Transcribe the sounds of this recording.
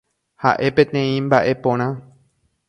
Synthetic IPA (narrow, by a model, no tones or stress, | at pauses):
ha̰ʔe̞pẽt̪ẽ̞ĩmbaʔe̞põɾ̃ã